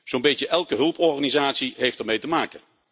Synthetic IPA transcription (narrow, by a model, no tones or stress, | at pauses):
z̥onbejtjəʔɛlˠkəɦɵlˠpɔɹχaːnizaːtsiɦejftɛɹmejtəmaːkən